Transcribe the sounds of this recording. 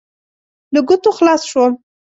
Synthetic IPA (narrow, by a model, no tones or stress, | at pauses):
ləɡʊt̪oxlɑsʃwo